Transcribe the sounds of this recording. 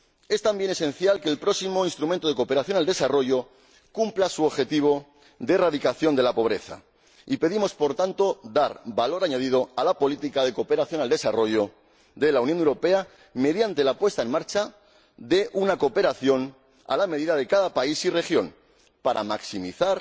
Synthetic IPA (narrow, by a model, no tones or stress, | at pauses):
e̞st̪ambje̞ne̞sẽ̞nθjalke̞ːlpɾosimo̞inst̪ɾument̪o̞ð̞e̞ko̞pe̞ɾaθjo̞nald̪e̞saro̞ʝo̞ | kumplasuoβxe̞t̪iβ̞o̞ | d̪eraðikaθjo̞nd̪e̞lapo̞β̞ɾe̞̰θa̰ | ipe̞ðimo̞spo̞ɾt̪ant̪o̞d̪aɾbalo̞ɾaɲað̞ið̞o̞alapo̞lit̪ikaðe̞ko̞pe̞ɾaθjo̞nald̪e̞saro̞ʝo̞ | ðe̞launjonewɾo̞pe̞a | me̞ðjant̪e̞lapwe̞st̪ae̞nmaɾt͡ʃa | ðe̞ʔunako̞pe̞ɾaθjo̞n | a̰lame̞ðiðað̞e̞kaðapaisire̞xjo̞̰n | paɾa̰maksimiθaɾ